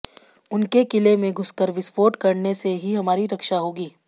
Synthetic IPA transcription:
ʊnkekɪlemẽɡʱʊskəɾʋɪspoːʈkɐɾneseɦiɦɐmaːɾiɾɐkʃaɦoːɡiː

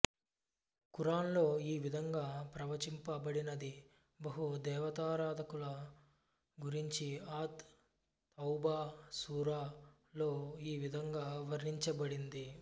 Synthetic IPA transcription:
kuɾaːnlo̞ːiːʋid̪ʱɐŋɡaːpɾɐʋɐt͡ʃimpɐbɐɽinɐd̪i | bɐɦud̪ɛːʋɐt̪aːɾaːd̪ʱɐkulɐ | ɡuɾiɲt͡ʃiaːt̪ː | ɐwbaːsuːɾaː | lo̞ːiːʋid̪ʱɐŋɡaːʋɐɾːiɲt͡ʃɐbɐɽind̪i

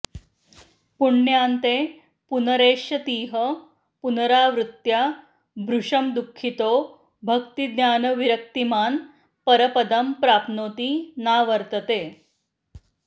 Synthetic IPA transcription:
puɳːjant̪e | punəɾeːʂjət̪iːɦə | punəɾaʋɾut̪ja | bʱɾuʂəmd̪ukʰːit̪o | bʱəkt̪id̪njaːnəʋiɾək̚t̪imaːn | pəɾəpəd̪əmpɾaːpnoːt̪iːnaʋəɾt̪ət̪e

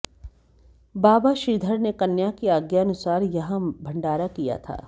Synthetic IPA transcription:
baːbaʃiːd̪ʱəɾnekɐnjakiaːɡjaɐnʊsaːɾjɐɦãbʱɐ̃ɳɖaːɾakija̰t̪ʰa̰ː

